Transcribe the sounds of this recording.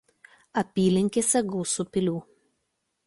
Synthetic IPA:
ɐpʲiːlʲɪŋʲkʲesʲɛɡʊːsʊpʲɪlʲuː

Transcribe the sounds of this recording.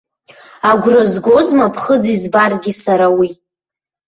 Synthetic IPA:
aɡʷrazɡʷo̞zmapʰχəd͡zizbarɡʲisaɾawi

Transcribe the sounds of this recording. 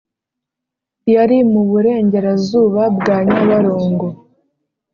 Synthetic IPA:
jaɾimuβuɾe̞ːɲɟe̞ɾazuːβabɡaːɲaβaɾoːŋɡo

